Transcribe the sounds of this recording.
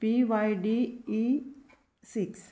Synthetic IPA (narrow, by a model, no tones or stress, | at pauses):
piʋajɖiː | siks